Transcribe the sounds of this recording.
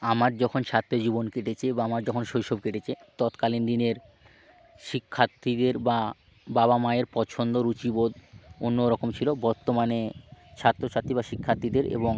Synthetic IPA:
amaɾd͡ʑɔkʰont͡ɕʰat̪ːod͡ʑibonkeʈet͡ɕʰebaamaɾd͡ʑɔkʰonʃojʃobkeʈet͡ɕʰet̪ɔt̪kalind̪ineɾ | ʃikʰːat̪ːid̪eɾba | baβamaeɾpɔt͡ɕʰond̪oɾut͡ɕibod̪onːoɾɔkomt͡ɕʰilobɔɾt̪omanet͡ɕʰat̪ːɾot͡ɕʰat̪ːibaʃikʰːat̪ːid̪eɾḛboŋ

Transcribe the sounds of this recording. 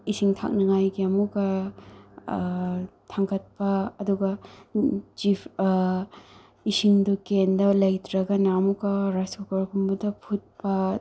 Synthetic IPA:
isiŋtʰa̰k̚nɐŋajɡiɐmukɐ | tʰaŋɡɐt̚pɐːduɡɐ | t͡ʃipʰ | isiŋdukendɐlɐjtɾɐɡɐnaɐmukɐɾaskukɐɾkʰumbɐdɐpʰut̚pɐ

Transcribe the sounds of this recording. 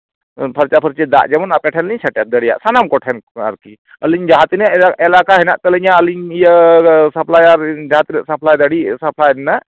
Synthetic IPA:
pʰɐɾt͡ʃapʰəɾt͡ʃid̪a̰ʔd͡ʒɐmənapɛʈʰɛnliɲsɐʈjat̪̚d̪əɽija̰ʔsanamkɔʈʰɛna̰ɾki | əliɲd͡ʒaɦat̪inəaɛlakaɦinaʔt̪ələɲaəliɲijəsɐpʰlajaɾd͡ʒaɦat̪inəʔsɐpʰlajd̪əɽisɐpʰlajnːaʔ

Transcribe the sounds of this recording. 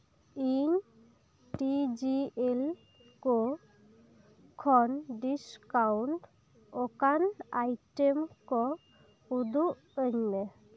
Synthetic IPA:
iŋ | ʈid͡ʒiel | ko | kʰɔnɖiskawɳʈ | ɔkanajʈemkɔ | ud̪uʔ | əɲne

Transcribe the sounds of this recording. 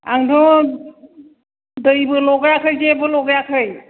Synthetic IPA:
aŋdʰɔ | dɯjbɯlɔɡjakʰɯjzebɯlɔɡjakʰɯj

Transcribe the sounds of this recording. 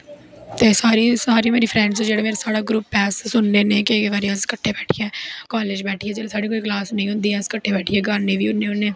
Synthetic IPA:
t̪eːsaːɾiːsaːɾimeːɾiːpʰɾɛ̃ːɳɖsod͡ʒeːɽeːmeːɾesaːɽaːɡɾuːpːɛːsːʊndeːnẽːkeʋaːɾeəskəʈʰːeːbɛːʈʰijɛːkaːleːd͡ʒbɛːʈʰiːɛːd͡ʒeːleːsaːɖeːkoːiːklaːsnẽĩɦʊ̃nd̪iːɛːəskəʈʰːeːbɛːʈʰiːɛːɡaːɾneːʋiːʊnːeːɦʊnːeː

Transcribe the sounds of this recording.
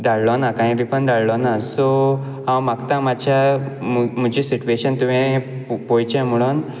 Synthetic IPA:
d̪aɽlɔnakañĩɾifənd̪aɭlɔnasɔ | ɦãwmaɡt̪ãmad͡ʑʰjamm̤əd͡ʑisit͡ɕueɕənt̪umẽpɔjt͡ɕãmuɭun

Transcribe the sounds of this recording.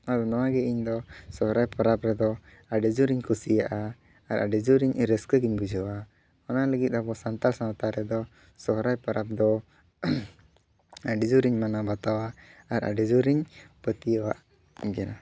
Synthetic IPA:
aɾɔnɔwaɡɛʔiɲd̪ɔsɔɦɾajpaɾapɾɛd̪ɔ | aɖɛd͡ʒuɾiɲkʰusijaʔaː | ɾaɖɛd͡ʒuɾiɲɾəskəɡiɲbid͡ʒɔwa | ɔnaləɡit̪̚abɔsant̪alsanat̪aɾɛd̪ɔ | sɔɦɾajpaɾap̚d̪ɔ | aɖɛd͡ʒuɾiɲmanabat̪awaːɾa̰ɖɛd͡ʒuɾiɲpət̪ijəwa̰ʔ | ɡɛna

